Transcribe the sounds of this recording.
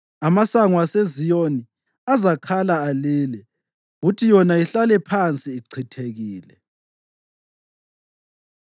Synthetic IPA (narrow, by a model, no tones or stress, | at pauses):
amasaŋwasezijoni | azakʰalaːliːlɛ | ɣutʰijɔnaiɬalɛpʰant͡sʼiːǀʰitʰeɣiːlɛ